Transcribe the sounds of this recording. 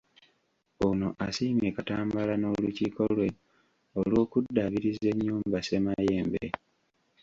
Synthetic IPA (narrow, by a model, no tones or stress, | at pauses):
ono̞ʔasiːmjeːkataːmbalano̞ːluciːkolwe̞ | olwo̞ːkudːaβiɾize̞ɲːuːmbase̞maje̞ːmbḛ